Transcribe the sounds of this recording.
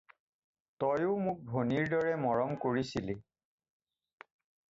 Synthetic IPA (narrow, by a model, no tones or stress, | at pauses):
tɔjʊmʊk̚bʱoniɹdɔɹɛmɔɹɔmkoɹisili